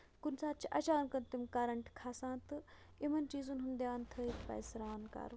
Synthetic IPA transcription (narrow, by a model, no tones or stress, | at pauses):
kunsaːt̪t͡ʃʰiʔɐ̰t͡ʃaːnkɐnt̪imkaːɾɐɳʈkʰaːsãːt̪ɨ | imɐnt͡ʃiːzunɦund̪jaːnt̪ʰəit̪pɐ̰ːjsɾaːnka̰ːɾ